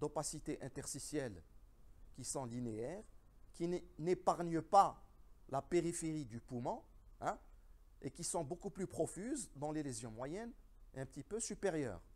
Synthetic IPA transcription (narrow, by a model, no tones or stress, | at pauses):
d̪opasit̪eʔɛ̃t̪ɛʁsisjɛl | kisɔ̃lineɛːʁkinepaʁnəpalapeʁifeʁid̪ypumɑ̃ɛ̃ | ekisɔ̃bokuplypχɔfyzd̪ɑ̃lelezjɔ̃mwajɛn | eɛ̃pət̪ipøsypeʁjœ̰ːʁ